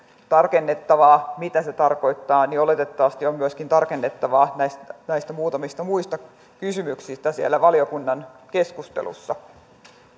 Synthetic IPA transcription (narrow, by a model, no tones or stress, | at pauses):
t̪ɑrkenːet̪ːɑʋɑːmit̪æse̞t̪ɑrko̞it̪ːɑːniolet̪et̪ːɑʋɑst̪iommyøskint̪ɑrkenːet̪ːɑʋɑːnæjst̪ænæist̪æmuːt̪ɑmist̪ɑmuist̪ɑ | kysymyksist̪æsiælːˑæʋɑliokunːɑnkeskust̪ḛlṵsːɑ